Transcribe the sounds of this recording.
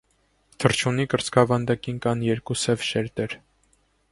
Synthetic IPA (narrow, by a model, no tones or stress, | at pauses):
t̪ʰəɾt͡ʃʰunikəɾt͡skʰɑvɑnd̪ɑkinkɑnjɛɾkusɛvʃɛɾt̪ɛɾ